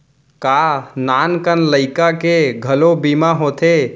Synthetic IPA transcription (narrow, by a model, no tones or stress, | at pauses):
kanankənləɪkakeɡʱəlobimaɦot̪ʰe